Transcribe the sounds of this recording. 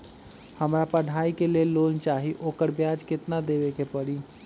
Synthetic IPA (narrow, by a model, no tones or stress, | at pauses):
həmɾapəɽ̤ʱaikelellont͡ʃaɦiʔokəɾbjad͡ʒkɪt̪nad̪ebekepəɾi